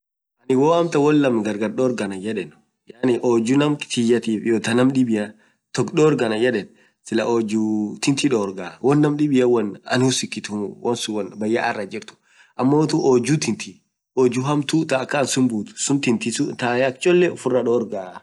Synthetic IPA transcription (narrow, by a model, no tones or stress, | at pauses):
ʔɐnɪwoːɐmt̪ɐwɔlːɐmɡɐɾɡɐɾɗoːɾɡɐnɐd͡ʒɛᶑɛn | janɪʔoːd͡ʒunɐmt̪ijɐt̪iːfjot̪ɐnɐmɗɪbɪjɐ | t̪ɔkɗoːɾɡɐnɐd͡ʒɛᶑɛn | sɪlɐ̰ʔod͡ʒut̪ɪnt̪iᶑoːɾɡaːwɔnːɐmɗɪbɪjɐwɔnɐ̰nhʊsɪk̪ːɪt̪ʊwɔnsʊwɔnbɐjːa̰ʔɐrːɐd͡ʒɪɾt̪ʊ̥ | ʔɐmːoːt̪uʔod͡ʒut̪ɪnt̪ʰi | oːd͡ʒuɦɐmt̪ut̪ɐːkːɐːnsʊmbuːt̪ʊ̥sʊnt̪ɪnt̪isut̪aːjak̚t͡ʃʼɔlːeɔfʊrːɐɗoːɾɡaː